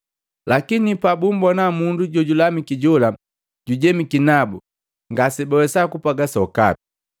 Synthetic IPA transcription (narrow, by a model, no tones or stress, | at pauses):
lakinipabumbɔnamunduɟɔɟulamikiɟɔla | ɟ̥uɟɛmikinabu | ŋɡasibɔwɛsakupaɡasaɔka̰pi̥